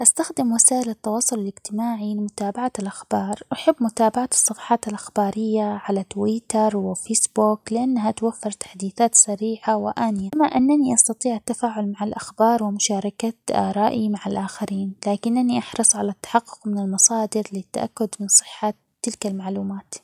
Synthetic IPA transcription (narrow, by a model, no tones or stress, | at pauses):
ʔast̪axd̪ɪmwasaːʔɪlat̪ːɑwɑːsˤʊlaɪlɪɡt̪ɪmaːʕilɪmʊt̪aːbaʕalʔaxbɑːɾˤwʔaħabːmʊt̪aːbaʕat̪sˤːɑfɑ̥ːħɑːt̪alʔaxbaːɾɪjːaʕalat̪wiːt̪ɑɾˤwɪfeːsbuːklɪʔanːaɦat̪wafːɪɾˤt̪ḁħd̪iːθaːt̪saɾiːħawɪʔaːnɪjamaʔɪnːaniʔɑst̪ɑt̪ˤiːʕat̪ːafaːʕʊlmaʕalʔaxbɑːɾˤwɪmʊʃaːɾˤɑkat̪ʔa̰ːɾˤɑːʔimaʕalʔaːxaɾiːnlaːkɪnʔaniʔɑħɾˤɨsˤʕalat̪ːḁħɑqːʊ̥qmɪnɪlmɑsˤɑːd̪ɪɾlɪt̪ːa̰ʔa̰kːʊd̪mɪnsˤɨ̥ħːat̪ːɪlkalmaʕluːmaːt̪